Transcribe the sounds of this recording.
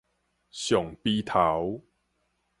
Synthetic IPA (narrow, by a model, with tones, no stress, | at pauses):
ɕjɔ˨˩ŋpi˦t̪ʰa˨˦w